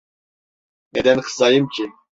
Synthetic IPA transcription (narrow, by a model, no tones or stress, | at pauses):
mɛd̪ɛnχsajimt͡ʃʰʼi